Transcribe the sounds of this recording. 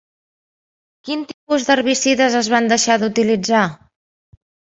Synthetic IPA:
kint̪ipuzd̪ərβisiðəzəzβand̪əʃaðut̪ilid͡za

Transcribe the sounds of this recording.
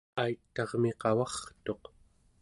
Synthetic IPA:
ajt̪ːɑʁmiqɑwɑχt̪o̞q

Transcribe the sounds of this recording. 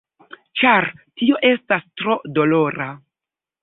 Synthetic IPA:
t͡ʃaɾtio̞ʔe̞stastɾo̞do̞lo̞ɾa

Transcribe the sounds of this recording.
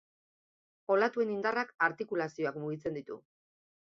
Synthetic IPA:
o̞lat̪ue̞nind̪arakaɾt̪ikulasio̞akmuɣit͡se̞nd̪it̪ṵ

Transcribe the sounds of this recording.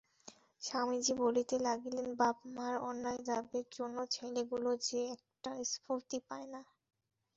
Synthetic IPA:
ʃamid͡ʑibolit̪elaɡilenbabmaɾɔnːaed̪abeɾd͡ʑonːot͡ɕʰeleɡulod͡ʑeɛk̚ʈaispuɾt̪ipaena

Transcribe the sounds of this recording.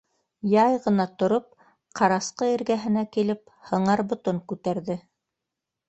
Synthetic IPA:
jɑjʁɤ̆nɑt̪ŏɾop̚ | qʰɑɾɑsqɤiɾɡæɦɘ̆nækilɘp̚ | hɤ̆ɴɑɾbŏt̪oŋkʉt̪æɾðɘ

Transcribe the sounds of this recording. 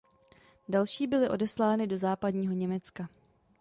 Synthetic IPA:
dalʃiːbɪlɪʔo̞dɛslaːnɪdo̞zaːpadɲiːɦo̞ɲɛmɛt͡ska

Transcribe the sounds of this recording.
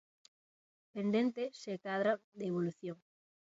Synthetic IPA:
pend̪ent̪esekaðɾad̪eːβ̞oluθjoŋ

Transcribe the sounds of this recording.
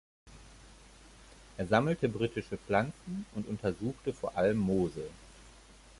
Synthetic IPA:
ʔeːɐzaml̩təbʁiːtɪʃəp͡flant͡sn̩ʔʊntʔʊntʰɐzuːxtəfoːɐʔaləmːoːzə

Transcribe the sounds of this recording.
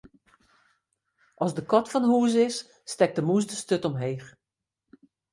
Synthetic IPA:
ʔɔsdəkɔtfɔnhuːəzɪsː | tɛk̚dəmus̬dəstøtɔmɦeːx

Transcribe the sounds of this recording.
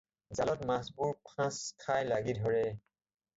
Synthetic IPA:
zalɔtmasbuɹpʰãskʰajlaɡidʱɔɹɛ

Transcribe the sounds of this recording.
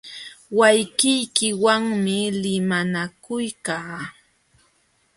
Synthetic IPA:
wajkɪjkɪwaŋmɪlɪmanakʊjkaː

